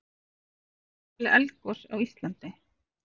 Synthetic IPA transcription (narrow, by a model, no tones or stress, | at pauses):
lɪʔɛlkɔsa̰wist̪lant̪ɪ